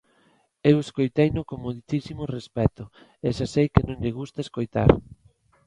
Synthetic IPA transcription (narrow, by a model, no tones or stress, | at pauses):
eweskojt̪ejnʊkomoðit̪isimorespɛt̪ʊ | eʃasejkɪnõŋʎɪɣ̞ust̪aeskojt̪a̰ɾ